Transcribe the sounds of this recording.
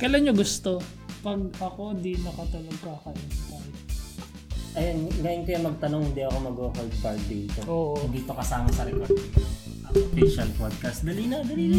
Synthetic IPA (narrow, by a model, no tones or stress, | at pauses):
kɐlanɲoɡʊst̪o̞ | pɐɡ̚ɐko̞d̪inɐkɐt̪ɐlɐɡ̚kaːkaʔɪnpaʔɪt̪̚ | ʔɐjonɡaːjɪnkojɐŋmɐɡ̚t̪ɐnoŋhɪnd̪iʔɐko̞mɐɡokold̪̚pɐɹk̪̚d̪iːt̪oʔoːʔoɪnd̪iːt̪okɐsaːmɐsɐɾɛkoɾd̪o | ʔɐofiʃɐlpod̪̚kɐst̪̚d̪ɐliːnɐd̪ɐliːnɐ